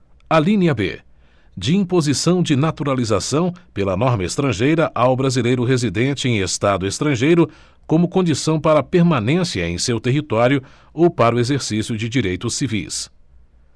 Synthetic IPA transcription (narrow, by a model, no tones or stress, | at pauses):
alĩnɐbḛ | d͡ʒɪĩpozisɐ̃w̃d͡ʒɪnat̪uɾalizasɐ̃w̃pelɐnɔɾmɐest̪ɾɐ̃ʒejɾɐʔawbɾazilejɾʊɦezid̪ẽt͡ʃɪẽj̃est̪ad̪ʊest̪ɾɐ̃ʒejɾʊ | kõmʊkõd͡ʒisɐ̃w̃paɾɐpeɾmanẽsiɐḛ̃j̃sewt̪eɦit̪ɔɾjʊ | owpaɾʊezeɾsisjʊd͡ʒɪd͡ʒiɾejt̪ʊsːivḭs